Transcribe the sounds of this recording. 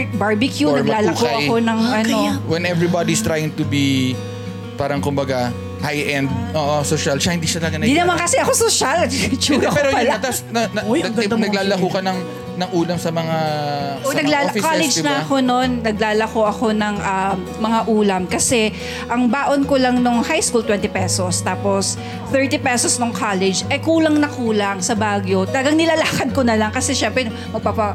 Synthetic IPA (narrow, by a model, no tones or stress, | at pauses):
baɹbɪkjunɐɡlaːlɐkoʔɐkonɐŋɐno̞wɛnɛvɹibad̪iɪst̪ɾajɪŋt̪ʊbi | paːɾɐŋkʊmbɐɡa | hajʔɛnd̪̚ʔoːʔosoʃɐlʃɐhɪnd̪iːʃɐt̪ɐlɐɡɐnɐd̪iːnɐmankɐsɛʔɐkosoʃalɐt͡ʃuːɡ̪ɐkpɛɾoɐɐt̪ɐsnɐɐj̪ɐɡnɐɡlaːlɐkuːkɐnɐŋ | nɐŋʔuːlɐmsɐmɐŋaonɐɡlaːfikalɛd͡ʒnɐʔɐko̞no̞nːɐɡ̚laːlɐkoʔɐko̞nɐŋʔɐm | mɐŋaʔuːlɐmkɐsɛ | ʔɐŋbaːʔonkolaŋnoŋhajskuːlt̪wɛnt̪ɪpɛsost̪aːpos | θɛɹt̪ipɛsosnoŋkʰaːlɛd͡ʒʔɐkuːlɐŋnɐkuːlɐŋsɐbaːɡjo̞t̪ɐlɡɐŋnɪlaːlaːkɐd̪̚konɐlɐŋkɐsɛʃɛmpɾɛ | mɐɡ̚paːpɐ